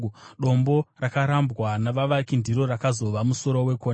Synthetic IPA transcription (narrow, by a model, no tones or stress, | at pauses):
ɗo̞mbo̞rakaɾambwanaʋaʋakindiɾo̞ɾakazo̞ʋamuso̞ɾo̞we̞ko